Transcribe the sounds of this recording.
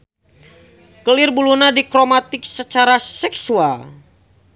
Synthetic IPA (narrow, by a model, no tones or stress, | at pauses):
kəlɪrbulunadikɾomat̪ɪk̚sət͡ʃaɾasɛksual